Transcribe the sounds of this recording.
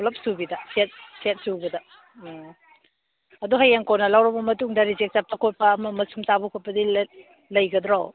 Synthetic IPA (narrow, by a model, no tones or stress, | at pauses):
lɐp̚subidɐset̚set̚subɐdɐ | ɐduɦɐjeŋkonɐlɐwɾɐbɐmɐtuŋdɐɾid͡ʒek̚tap̚tɐkʰot̚pɐːmɐmɐsumtabukʰot̚pɐdil | lɐjɡɐdɾaw